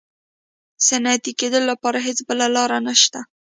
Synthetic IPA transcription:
sanat̪iked̪əllːapɑɾaɦet͡sbəlalɑɾanaʃt̪a

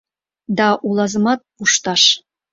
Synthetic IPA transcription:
d̪ɑʔulˠɑzɤ̆mɑt̪̚puʃt̪ɑʃ

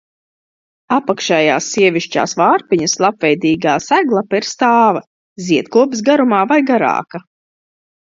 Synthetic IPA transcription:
apakʃɛja̰ːsːiɛvʲiʃt͡ʃa̰ːsvaːɾpiɲɐslˠapvɛjd̪iːɡaːsæɡlˠapiɾst̪aːvɐ | ziɛt̪kuɔbs̬ɡaɾumaːvajɡaɾa̰ːka

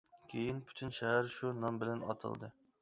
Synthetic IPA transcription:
kʲʰejinpʰy̥t̪ʰynʃɛɦæɾʃunɑmbɪlɛnɑ̰t̪ʰɨ̰lˠd̪ɨ

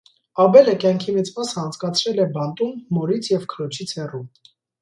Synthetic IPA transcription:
ɑbɛləkjɑŋkʰimit͡sʰmɑsəɑnt͡sʰkɑt͡sʰɾɛlɛbɑnt̪ʼumːɔɾit͡sʰjɛvkʰəlɔt͡ʃʰit͡sʰhɛrum

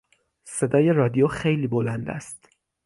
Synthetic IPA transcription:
se̞d̪ɒːje̞rɒːd̪ijoxejliːbolænd̪æ̰st̪

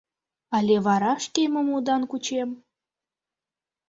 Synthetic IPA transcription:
ɑlʲeβɑɾɑʃt̪emə̆mud̪ɑnkut͡ɕem

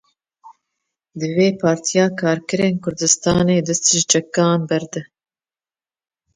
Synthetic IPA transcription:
d̪ɨveːpʰɑːɾt̪ʰijɑːkʰɑːɾkɨɾeːnkʰʊɾd̪ɨst̪ɑːneːd̪ɨst̪ɨʒt͡ʃɛkːɑːnbɛɾd̪ɨ

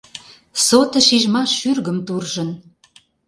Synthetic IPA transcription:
sot̪ə̆ʃiʒmɑʃyrɣəmt̪urʒə̆n

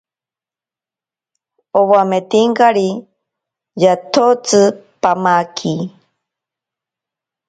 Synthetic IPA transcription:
owamet̪iŋkaɾi | jat̪ʰot͡sɨpamakʰi

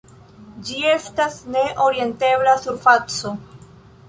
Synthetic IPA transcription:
d͡ʒie̞stasne̞ʔo̞ɾie̞nte̞blasuɾfat͡so

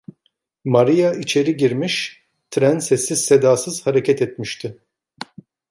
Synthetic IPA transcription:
maɾijait͡ʃʰe̞ɾiɟiɾmiʃ | t̪ʰɾænsɛsːiz̥sed̪aːsɯz̥haɾecʰɛt̪ɛt̪miʃt̪ʰɪ

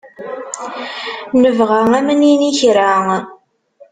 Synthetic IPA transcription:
nəvʁaŋæməniniçɾaŋ

